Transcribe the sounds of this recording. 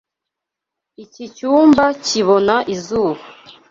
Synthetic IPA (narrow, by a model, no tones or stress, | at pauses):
icit͡ʃuːmbaciβonaʔizuːβa